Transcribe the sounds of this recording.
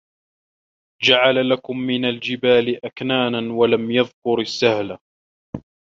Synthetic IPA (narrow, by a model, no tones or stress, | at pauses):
d͡ʒaʕalalakʊmːɪnald͡ʒɪbaːlɪʔaknaːnanwalamjɑðkʊɾasːahla